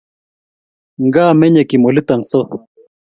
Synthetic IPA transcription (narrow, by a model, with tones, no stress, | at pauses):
ŋɡaː˦mɛ˦ɲe˨ki˨mo˨li˦t̪a˨ŋso˦